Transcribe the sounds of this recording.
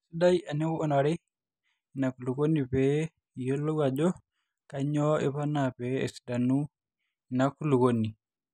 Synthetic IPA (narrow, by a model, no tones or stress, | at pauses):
sidajanɛwuɔnaɾɛ | nakulukonːipɛ | jolːɔɡad͡ʒɔ | kaɲɔɛpanapɛ̰ːsi̥danu | nakːulukonːi